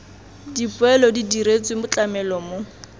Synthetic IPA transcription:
dipwɛlɔdidiɾet͡sʼwɪmʊt͡ɬʼamɛlɔmo

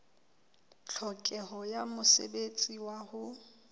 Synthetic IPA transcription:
t͡ɬʰɔkʼɛɦɔjamʊsḛbet͡sʼiwahʊ

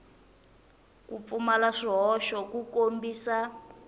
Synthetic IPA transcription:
kup̪fumalaʂiɦɔʃɔkukombiːsa

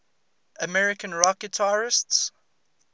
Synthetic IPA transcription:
əmɛɹɪkə̃nɹɔkətʰaɹɪsts

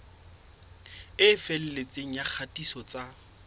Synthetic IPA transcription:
ɪfɛl̩let͡sʼeŋ̩jak͡xʰatʼisɔt͡sʼa

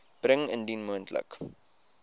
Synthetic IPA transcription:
b̥rəŋəndinmuəntlə̰k

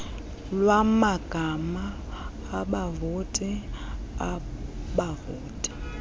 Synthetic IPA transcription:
lwamaɡ̥ʱamaː | ɓavotʼiaɓavoːtʼi̥

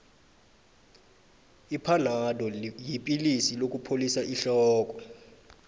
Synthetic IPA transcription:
ipʰaladʱɔjipʼilisilok̬ʼupʰolisaʔiɬɔːk̬ʼɔ

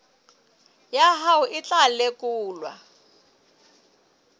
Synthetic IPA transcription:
jaɦaʊʔɪt͡ɬʼalekʼuːlwa̰

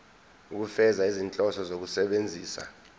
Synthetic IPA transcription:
uk̬ufɛzaizint͡ɬʼɔsɔzok̬usɛɓend͡zʱiːsa̰

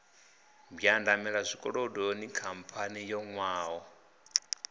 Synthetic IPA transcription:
bjandamɛɺazʷikʼɔɺɔdonikʰampʰanijɔŋwaːɔ

